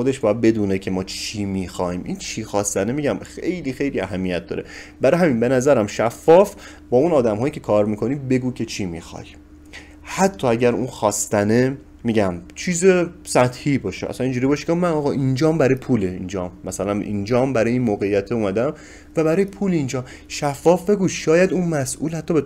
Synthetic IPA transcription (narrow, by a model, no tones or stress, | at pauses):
xod̪e̞ʃbɒjæd̪̚be̞d̪uːnecʰe̞mɒːt͡ʃʰimixɒːimʔint͡ʃʰixɒːst̪ænemiːɟæmxejliːxe̞jliæɦæmːijæt̪̚d̪ɒ̰ːɾe̞̰bæɾɒjɦæminbe̞næzæɾæmʃæfːɒːf | bɒːunɒːd̪æmɦɒːjiːcʲʰe̞kʰɒːɾmiːkʰo̞niːbe̞ɡuːcʰe̞t͡ʃʰimixɒ̰j | hæt̪ʰːɒːæɟæɾuːnxɒːst̪æne | miːɟæmt͡ʃʰiːzesæt̪hiːbɒːʃeʔæ̰sænind͡ʒuɾiːbɒːʃi̥æmænɒːɣɒʔind͡ʒɒːmbæɾɒːjepʰuːleind͡ʒɒmːæsælæmʔḭnd͡ʒɒːmbæɾɒːjeiːnmoːɣejːæt̪ʰeuːmæd̪æm | væbæɾɒːjepʰuːlind͡ʒɒːm | ʃæfːɒːfbe̞ɡuʃɒːjæd̪uːnmæsʔṵːlhæt̪ʰːɒːbe